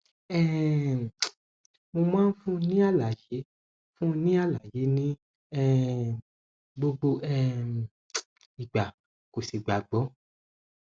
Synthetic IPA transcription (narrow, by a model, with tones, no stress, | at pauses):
ɛ˦ | mo˧mãː˦n̩˦fũ˦˧nĩ˦a˦˨la˨je˨˦ | fũ˦˧nĩ˦a˦˨la˨je˨˦nĩ˦ | ɛ˦˨ | ɡ͡bo˧ɡ͡bo˧ʔɛ˧ | i˨ɡ͡ba˨ | ko˨si˨ɡ͡ba˨ɡ͡bɔ˨˦